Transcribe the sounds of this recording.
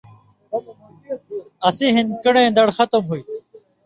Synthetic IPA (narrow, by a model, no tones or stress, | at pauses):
ɐsiːɦɪnkəɳẽːd̪əɽxət̪əmɦuiːt̪ʰ